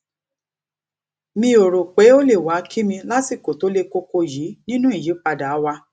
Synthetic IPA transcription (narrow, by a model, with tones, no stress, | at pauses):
mĩ˧˦o˨ɾo˨k͡pe˨˦o˦le˦˨wa˨˦kʰi˦mĩ˧la˦ti˦˨ko˨to˨˦le˦ko˦ko˧ji˨˦nĩ˦nũ˦i˦˨ji˨˦k͡pa˧da˨a˨˦wa˧